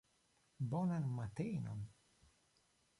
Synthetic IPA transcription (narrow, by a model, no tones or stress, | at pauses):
bonanmat̪ejno̰n